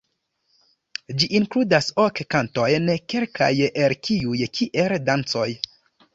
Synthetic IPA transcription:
d͡ʒiʔinkludasokkanto̞jnke̞lkʰa̰jeɾkʰiujkʰiʔeldant͡so̞j

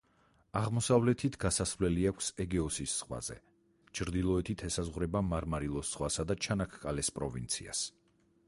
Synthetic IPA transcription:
aʁmɔsavlɛt̪ʰit̪ʰɡasasvlɛliakʷʰsɛɡɛɔsisːχwa̰zɛ̰ | t͡ʃʰɾd̪ilˠɔɛt̪ʰit̪ʰɛsazʁwɾɛbamaɾmaɾilˠɔsːχwasad̪at͡ʃʰanakʰkʼalɛspʼɾɔvḭnt̪sʰḭa̰s

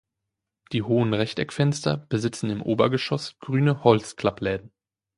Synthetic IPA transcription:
d̥iːɦoːənʁɛçtɛkfɛnstɐb̥əzɪt͡sn̩ɪmʔoːbɐɡəʃɔsɡ̥ʁyːnəhɔlt͡skl̥aplɛːdn̩

